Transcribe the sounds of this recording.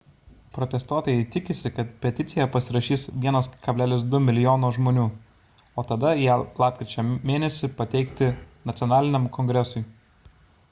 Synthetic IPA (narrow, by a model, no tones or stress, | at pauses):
pɾɔt̪ʲɛst̪uɔt̪oːjɛɪt̪ʲɪkʲɪsʲɪkɐt̪pʲɛt̪ʲɪt̪sʲɪjɛpɐsʲɪɾɐʃʲiːsʋʲiɛnɐskɐbʲlʲæːlʲɪs̬d̪ʊmʲɪlʲɪjoːnoːʒmoːnʲuː | oːt̪ɐd̪ɐjæːlˠɑːp̚kɾʲɪt͡ʃʲoːmʲeːnʲɛsʲɪpɐt̪ʲɛɪkt̪ʲɪnɐt̪sʲɔnɑːlʲɪnʲɛmkɔŋʲɡɾʲɛsʊɪ